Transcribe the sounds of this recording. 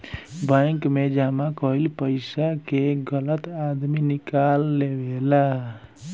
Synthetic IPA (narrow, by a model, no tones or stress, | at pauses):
bəŋkmed͡ʒamakʌɦilpəɪsakeɡələt̪ad̪minikalːebela